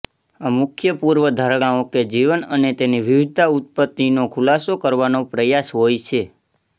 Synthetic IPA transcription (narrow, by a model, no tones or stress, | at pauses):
amʊkʰjəpuɾʋəd̪ʱəɾɽ̃ãõked͡ʒiʋənənet̪eniʋiʋɪd̪t̪aut̪̚pət̪ːinokʰulasokəɾʋanopɾəjasɦojt͡ʃʰe